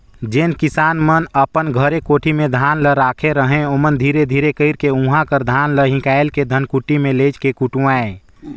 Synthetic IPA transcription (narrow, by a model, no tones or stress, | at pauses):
d͡ʒeːnkɪsaːnmənəpənɡʱəɾekoːʈʰimẽd̪ʱaːnləɾaːkʰeɾəɦẽomənd̪ʱiːɾed̪ʱiːɾekəɪɾkeũɦãkəɾd̪ʱaːnləɦɪ̃kaːelked̪ʱənkuʈimẽleːt͡ʃkekuʈũae